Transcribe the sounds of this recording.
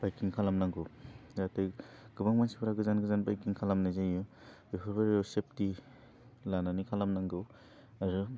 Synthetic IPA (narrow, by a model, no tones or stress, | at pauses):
bajkiŋkʰalamnaŋɡɯwzatejɡ̥ɯbaŋmansibaɾaɡɯzanɡɯzanbajkiŋkʰalamnajzajɯ | ipʰɯɾbaɾjsep̚ti | lananikʰalamnaŋɡɯw | aɾɯ